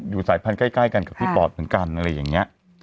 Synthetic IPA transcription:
juː˨˩saː˨˩˦jpʰa˧nkaː˥˩jkaː˥˩jka˧nka˨˩p̚t̪ʰiː˥˩pɔː˨˩t̪̚mɯ˩˦nka˧nʔa˧ɾa˧jːaː˨˩ŋi˦˥ɐʔ

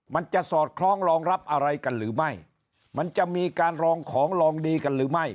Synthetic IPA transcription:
ma˧nt͡ɕa˨˩ʔsɔː˨˩t̪̚kʰlɔː˧˥ŋɾɔː˧ŋɾa˦˥p̚ʔa˧ɾa˧jka˧nɾɯː˩˦ma˥˩j | ma˧nt͡ɕa˨˩ʔmiː˧kaː˧nɾɔː˧ŋkʰɔː˩˦ŋɾɔː˧ŋdiː˧ka˧nɾɯː˩˦ma˥˩j

